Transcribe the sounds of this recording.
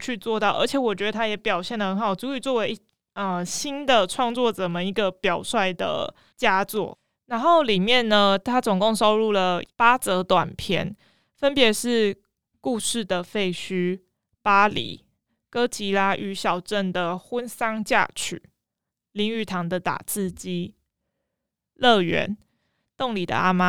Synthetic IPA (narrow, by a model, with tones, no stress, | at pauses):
t͡ɕʰy˥˧t͡swɔ˥˧t̪ɑ˥˩ʊʔə̰˞˧˥t͡ɕʰjɛ˨˩˦wɔ˨˩t͡ɕɥɛ˧˥d̪ə˧t̪ʰa˥jɛ˧˥pjɑ˨˩ʊɕjɛ˥˩nd̪ə˩hə˧˦nxɑ˨˩ʊt͡su˧˥y˨˩t͡swɔ˥˩we˧˥ɪ˥ | ə˧˩ɕi˥nd̪ə˨ʈ͡ʂʰwɑ˥˧ŋt͡swɔ˥˩t͡sɤ˨˩mə˨˦i˧˥ɡə˨pjɑ˨˩ʊswa˥˩ɪd̪ə̰˩ | t͡ɕja˥t͡swɔ̰˥˩ | na˧˥nxo˥˩ʊli˨˩mjɛ˥˩nnə˩t̪ʰa˥t͡sʊ˨˩ŋko˥˩ŋʂo˥ʊɻu˥˩lə˩pa˥t͡sɤ˧˥t̪wa˨˩npʰjɛ̰˥˦n | fə˦npjɛ˧˦ʂɻ̩˥˩ | ku˥˧ʂɻ̩˥˩d̪ə˩fe˥˩ɪɕy˥ | pa˥lḭ˨˩˦ | kɤ˥t͡ɕi˧˥la˥ʔy˧˥ɕjɑ˨˩ʊʈ͡ʂə˥˨˩nd̪ə˩xwə˦nsɑ˥ŋt͡ɕja̰˥˩t͡ɕʰy̰˨˩˦ | li˧˥ŋy˥˩t̪ʰɑ˧˦ŋd̪ə˨t̪a̰˨˩t͡sɹ̩˥˩t͡ɕi˥ | lɤ˥˩ɥɛ̰˧˦n | t̪o˥˩ŋli˨˩d̪ə̰˦a˦ma˦